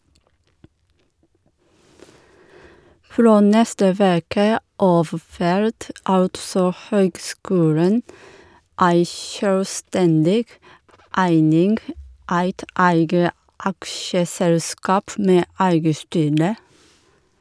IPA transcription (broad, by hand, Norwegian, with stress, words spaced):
ˈfɾoː ˈnɛstə ˈʋeːkə ˈɑːf ˈfæɾt ˈɑltsɔ ˈhøːɡˌskʉːlən ˈæɪ ʃœlˈstɛndɪɡ ˈæɪnɪŋɡ ˈæɪt ˈæɪɡə ˈɑkʃəˌsɛlˌskɑːp ˈmeː ˈæɪɡə ˈstyːɾə